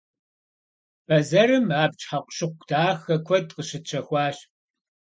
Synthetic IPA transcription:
bɐzɐɾɨmaːp̚t͡ʃʼħaqʷɕɪqʷd̥aːxɐkʷʰɔdqəɕɪt͡ʃʰɐxʷɑːɕ

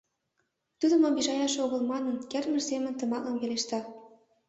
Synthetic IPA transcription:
t̪ud̪ə̆mobiʒɑjɑʃoɣɤ̆lmɑnɤ̆nkermə̆rsemə̆nt̪ɤ̆mɑlɤ̆mveleʃt̪ɑ

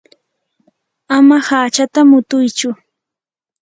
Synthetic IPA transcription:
amahaːt͡ʃat̪amʊt̪ʊjt͡ʃʊ

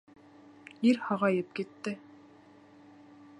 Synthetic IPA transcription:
iɾhɑʁɑjɤp̚kit̪ːɘ

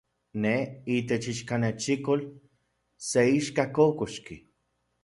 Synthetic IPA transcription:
neit̪et͡ʃiʃkanet͡ʃikol | seiʃkakokoʃki

